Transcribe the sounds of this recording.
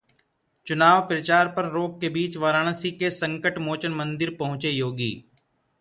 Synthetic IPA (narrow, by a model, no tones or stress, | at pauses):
t͡ʃʊnaːʋpɾət͡ʃaːɾpɐɾːoːk̚kebiːt͡ʃʋaːɾaːɳ̃əsikesə̃ŋkəʈmoːt͡ʃənmə̃nd̪ɪɾpɐɦʊ̃t͡ʃejoːɡiː